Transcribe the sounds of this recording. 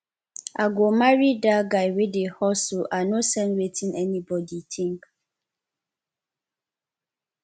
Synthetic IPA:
aɡomaɹidaɡajwedehɔsoʔanosɛ̃nwetʰĩnɛnibɔditʰĩŋk

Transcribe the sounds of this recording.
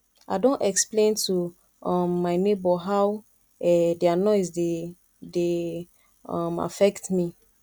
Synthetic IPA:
aɪdõntɛksplẽntʰu | ɔmːaɪnebɔɦaw | ɛdianɔɪzde | de | ɔma̰fɛktmi

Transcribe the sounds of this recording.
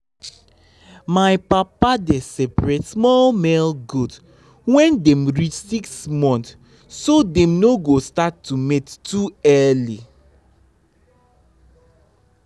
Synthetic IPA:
majpapadesɛpɹɛtsmɔlmɛlɡud | wɛ̃ndɛ̃mɹit͡ʃsiksmɔ̃nt | sodɛ̃mnoɡostatːumetːuɛli

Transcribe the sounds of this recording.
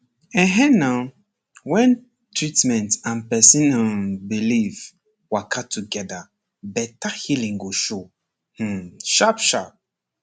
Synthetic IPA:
ɛ̃ɦɛ̃na | wɛ̃n | tʰɹitmɛ̃ntãnpɛsĩnabiliv | wakʰatʰuɡɛda | bɛtahilĩŋɡoʃo | h̩ʃapʃap̚

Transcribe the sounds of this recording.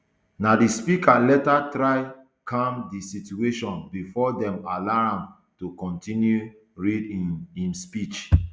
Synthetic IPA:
nadispikalɛtatɾaɪ | kʰãmdisitueʃɔ̃nbifɔdɛ̃malam | tukɔ̃ntĩnju | ɹidiĩmspit͡ʃ

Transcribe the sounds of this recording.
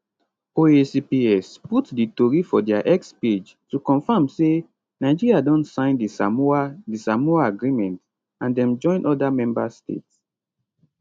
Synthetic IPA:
oesipiɛsputditɔɹifɔdɛaʔɛksped͡ʒ | tukɔ̃nfãmse | naɪd͡ʒiɹiadɔ̃ntsãɪ̃ndisamadisamɔaaɡɹimɛ̃nt | ãndɛ̃md͡ʒɔ̃ɪ̃nʔɔdamɛ̃mba̰stḛts

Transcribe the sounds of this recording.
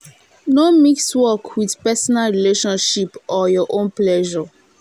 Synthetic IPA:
nomikswɔkʰwið̥pɛsɔnalɹileʃɔ̃nʃipɔjɔʔõnplɛʒɔ

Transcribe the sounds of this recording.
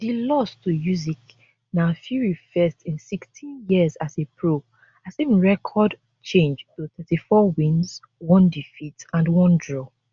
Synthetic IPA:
dilɔstʰujuzik | nafuɹifɛstĩnsikstʰĩnjiəzazepʰɹo | asevɹɛkʰɔd | t͡ʃẽnd͡ʒtuθɛtifɔwĩnz | wɔ̃ndifitãnwɔ̃ndɹɔ

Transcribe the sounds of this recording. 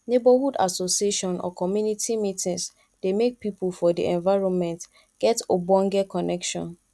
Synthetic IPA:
nebɔhuda̰sosieʃɔ̃nɔ̰kɔmjunitimitĩŋs | d̥emek̚pipulfɔdḭʔɛ̃nvaɪɹɔ̃nmɛ̃nt | ɡ̥ɛtobɔ̃ŋɡɛkɔnɛkʃɔ̰̃n

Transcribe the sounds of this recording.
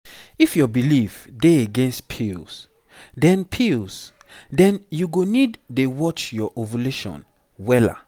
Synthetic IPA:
ifjɔbilifdeeɡɛ̃nstpʰils | dɛ̃npʰils | dɛ̃njuɡonidːewɔt͡ʃjɔʔovuleʃɔ̰̃n | wɛla̰

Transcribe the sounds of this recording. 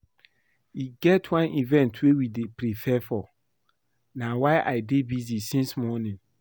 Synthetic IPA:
iɡɛtʰwãnʔivɛ̃ntʰwewidepɾifʰɛfɔ | nawaɪʔaɪdebizisĩnsmɔnĩn

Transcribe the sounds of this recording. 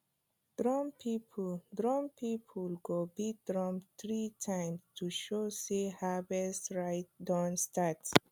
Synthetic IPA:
d̪̥ɾɔ̃mpʰipʰld̪ɾɔ̃mpʰipʰulɡobid̪ɾɔ̃mt̪ʰɾitʰãjmstʰuʃosehabɛsɹajt̚dãnstat

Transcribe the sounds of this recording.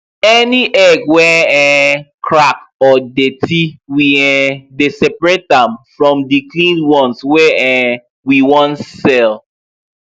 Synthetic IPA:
ɛniʔɛɡwɛɛ̃kʰɹak | ɔdetʰiwiɛ̃desɛpɹet̚dãmfɹɔ̃mdiklĩnwɔ̃nswɛɛ̃ | wiwɔ̃ntsɛl

